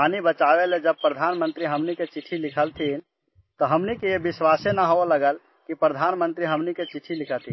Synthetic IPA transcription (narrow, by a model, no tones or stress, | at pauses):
anibət͡ʃabeled͡ʒəb̚pɾəd̪ʱanmənt̪ɾiɦəmniket͡ʃiʈʰːilikʰəlt̪ʰin | t̪ɔɦəmnikejebiswasenaɦoeləɡəl | kipɾəd̪ʱanmənt̪ɾiɦəmniket͡ʃiʈʰilikʰət̪ʰi